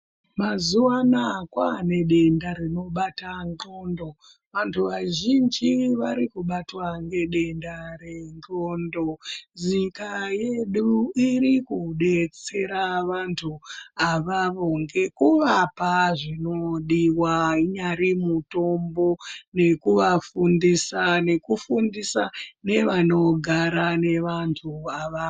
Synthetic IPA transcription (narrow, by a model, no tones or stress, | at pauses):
mazuwanakwane̞ɗe̞ndaɾino̞ɓataŋɡondo̞ | ʋantʰuʋaʒind͡ʒiʋaɾikuɓatwaŋɡe̞ɗe̞ndaɾe̞ŋɡondo̞zikaje̞ɗuiɾikuɗe̞t͡se̞ɾaʋantʰuaʋaʋo̞ŋɡe̞kuʋapaʐinoɗiwaɲaɾimuto̞mbo̞ne̞kuʋafundisane̞kufundisane̞ʋano̞ɡʱaɾane̞ʋantʰuaʋa